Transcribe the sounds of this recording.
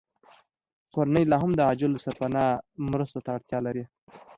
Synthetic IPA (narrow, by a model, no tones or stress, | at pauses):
koɾanəjlɑɦamd̪əɑd͡ʒɪlosaɾpanɑmɾəst̪ot̪aːɽt̪jɑlaɾi